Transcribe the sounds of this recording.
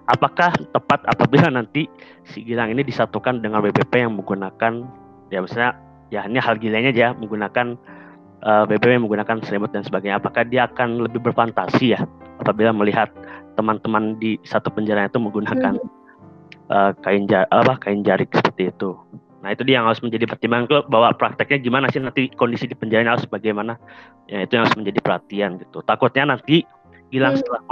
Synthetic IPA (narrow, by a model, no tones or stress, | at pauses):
apakaht̪əpat̪a̰pabilanant̪i | siɡilaŋinidisat̪ukandəŋanwebepejaŋməŋɡunakan | jamisalɲa | janahalɡilaɲad͡ʒaməŋɡunakan | ʔəːwebepejaŋməŋɡunakansəɾimʊt̪̚dansəbaɡajɲaːpakahdiaːkanləbɪhbərfant̪asijahapabilaməliɦat̪ːəmant̪əmandisat̪upəɲd͡ʒaɾaɲait̪uməŋɡunakan | ʔəːkaɪnd͡ʒaapapakaɪnd͡ʒaɾɪk̚sə̥pərt̪iːt̪u | nahit̪udiajaŋhaɾʊsməɲd͡ʒadipərt̪imbaŋankbawapɾak̚t̪ɪk̚ɲaɡimanasɪnant̪ikondisidipəɲd͡ʒaɾaɲaɾʊsbaɡajmana | jaŋit̪ujaŋaɾʊsməɲd͡ʒadipərhat̪ianɡit̪ut̪akʊt̪̚ɲanant̪i | ɡilaŋsə̥t̪əlah